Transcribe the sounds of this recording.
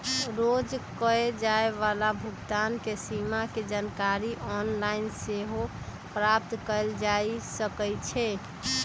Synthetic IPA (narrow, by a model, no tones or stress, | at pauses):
ɾod͡ʒkəed͡ʒaeʋalabʱʊɡt̪ankesimaked͡ʒankaɾiʔɔnlainseɦo | pɾap̚t̪kəld͡ʒaisəkəjt͡ʃʰɛ